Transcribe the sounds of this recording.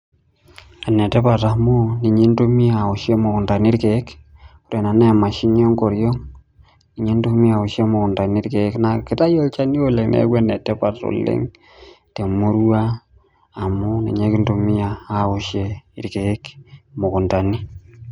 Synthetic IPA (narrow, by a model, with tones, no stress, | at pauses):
a˨ne˨tɛ˦pa˨ta˨mu˦ni˨ɲe˦nto˦mi˦a˨o˨ʃje˦mo˨kʊ˨nta˨ni˦ɾke˨˦ku˨ɾe˨na˨nɛ˦a˨ma˨ʃi˦ɲɔ˦ŋko˨ɾjɔ˦ŋ | ni˨ɲe˦nto˦mi˦a˨o˨ʃe˦mo˨kʊ˨nta˨ni˦ɾke˨˦kna˨ki˦ta˦jo˦lt͡ʃa˦ni˦o˦le˨ŋnḛ˦kɛ˦ne˨tɛ˦pa˨to̰˨lɪ̰˦ŋ | te˨mo˦ɾwa˦ | a˨mu˦nḭ˨ɲe˦ki˦nto˨mi˦a˨a˦o˨ʃe˦i˦ɾke˨˦kmo˨ku˨nta˨ni˦